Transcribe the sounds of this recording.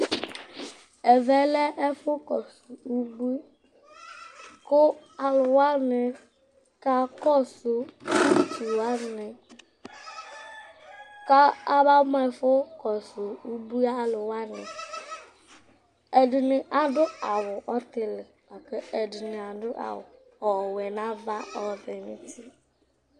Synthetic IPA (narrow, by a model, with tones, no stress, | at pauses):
ɛ˨vɛ˦lɛ˦ʔɛ˦fʊ˦kɔ˨su˨u˦bi˦ | kʊ˦ | a˨lʊ˨wa˦nɪ˨ | ka˦kɔ˦sʊ˨tu˨a˦nɪ˨ | ka˦a˦ba˦m˦a˦˨fʊ˦kɔ˨sʊ˨u˦bu˦a˦lʊ˨wa˦nɪ˨ | ɛ˨dɪ˨nɪ˨ʔa˨dʊ˦a˨wʊ˨ʔɔ˦t̪ɪ˦lɪ˨ | a˨kɛ˦ɛ˨dɪ˨nɪ˨a˨dʊ˦ʔa̰˨wʊ̰˨ | ɔ˨wɛ˨na˦va˦ɔ˨dɪ˨nɪ˦ti˦